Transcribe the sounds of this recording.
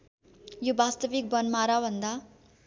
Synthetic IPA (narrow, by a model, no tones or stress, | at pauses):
jobast̪ʌbik̚bʌnmaɾabʱʌnd̪a